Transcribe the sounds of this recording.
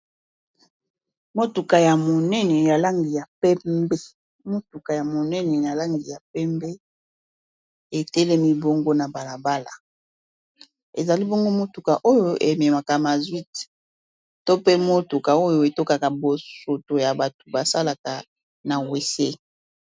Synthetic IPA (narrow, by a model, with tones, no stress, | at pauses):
mo˦tu˨ka˨ja˨mo˨nɛ˦nɛ˨ja˨la˦ŋɡi˨ja˨pɛ˦mbe˦ | mo˦tu˨ka˨ja˨mo˨nɛ˦nɛ˨ja˨la˦ŋɡi˨ja˨pɛ˦mbe˦ | e˨tɛ˦lɛ˦mi˦bo˦ŋɡo˦na˨ba˨la˨ba˦la̰˨ | e˨za˨li˦bo˦ŋɡo˦mo˦tu˨ka˨ʔo˦jo˦ʔḛ˨mɛ˨ma˨ka˨ma˨zwi˦t | to˦pe˦mo˦tu˨ka˨o˦jo˦e˨to˦ka˨ka˨bo˨so˨to˨ja˨ba˨tu˨ba˨sa˦la˨ka˨ | na˨we˨se˦